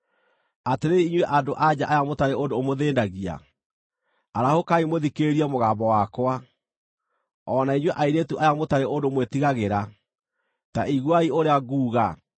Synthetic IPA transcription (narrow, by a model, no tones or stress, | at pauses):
ateɾeiɲwɛʔadoʔad͡ʑaʔajamotaɾeondoːmoðeːndaɣia̰ | aɾahokaimoðikeɾiamoɣaːmbɔwakwa | ɔnaiɲwɛʔaiɾetuʔajamotaɾeondomwetiɣaɣeɾa | taiɣwaioɾeaɣuːɣa